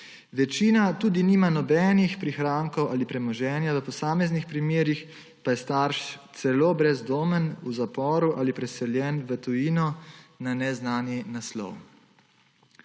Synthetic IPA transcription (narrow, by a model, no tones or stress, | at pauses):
ʋɛt͡ʃiːnat̪uːd̪iniːmanɔbɛːnixpɾixɾaːŋkɔwʔalipɾɛmɔʒɛːnjaʋəpɔsaːmɛznixpɾimeːɾix | pajɛst̪aːɾʃt̪sɛloːbɾɛzd̪oːmənuzapɔːɾuʔaːlipɾɛsɛljɛːnʋət̪ujiːnɔnanɛznaːnjinaslɔ̰w